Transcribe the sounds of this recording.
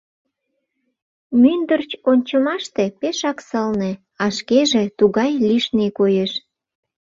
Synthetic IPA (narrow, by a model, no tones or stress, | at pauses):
mynd̪ərt͡ɕonʲt͡ɕəmɑʃt̪epeʃɑksəlne | ɑʃkeʒet̪uɣɑjliʃnekojeʃ